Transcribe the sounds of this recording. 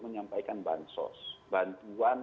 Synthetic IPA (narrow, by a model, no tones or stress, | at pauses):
məɲampaikanba̰nsɔ̰sbant̪uan